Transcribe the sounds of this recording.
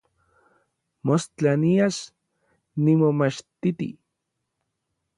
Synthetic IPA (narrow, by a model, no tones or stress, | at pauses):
most͡ɬaniaʃ | nimomat͡ʃt̪it̪ḭ